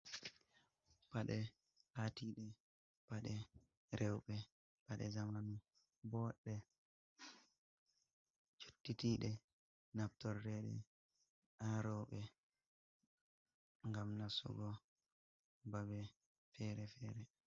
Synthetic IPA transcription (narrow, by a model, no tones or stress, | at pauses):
paɗɛ | hatiɗɛ | paɗɛ | ɾʔɛwɓɛ | paɗɛ̰zamanu | bɔɗɛ | t͡ʃu̥tːitiɗɛ | naftɔrːɛɗɛ̰ | aɾɔɓɛ | ŋɡamnasṵɡɔ | babɛ | fɛɾɛfɛɾɛ